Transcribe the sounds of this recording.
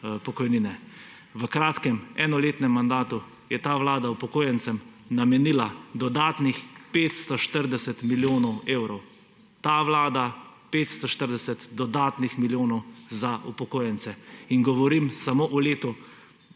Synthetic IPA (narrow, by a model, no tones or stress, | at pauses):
pɔkɔjninɛ | ʋəkɾaːt̪kɛmɛnɔleːt̪nɛmːand̪aːt̪u | jɛt̪aːʋlaːd̪awpɔkoːjɛnt̪sɛmnamɛnilad̪ɔd̪aːt̪nixpeːt̪st̪ɔʃt̪əɾd̪ɛsɛt̪miljoːnɔweːwɾɔw | t̪aːʋlaːd̪a | peːt̪st̪ɔʃt̪əɾd̪ɛsɛt̪d̪ɔd̪aːt̪nixmiljoːnɔwzaupɔkoːjɛnsɛiŋɡɔʋɔɾimsamoːʔɔleːt̪u